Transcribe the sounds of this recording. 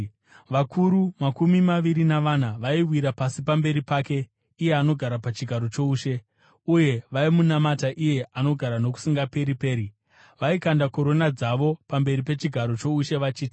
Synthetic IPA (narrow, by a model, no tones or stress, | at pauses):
ʋakʰuɾumakumimaʋiɾinaʋanaʋaiwiɾapasipambe̞ɾipake̞ | ije̞ano̞ɡʱaɾapat͡ʃiɡʱaɾo̞t͡ʃo̞uːʃe̞ | uje̞ʋaimunamataʔije̞ʔano̞ɡʱaɾano̞ku̥siŋɡape̞ɾipe̞ːɾi | ʋaikandako̞ɾo̞nad͡zaʋo̞pambe̞ɾipe̞t͡ʃiɡʱaɾo̞t͡ʃo̞uʃe̞ʋat͡ʃiːti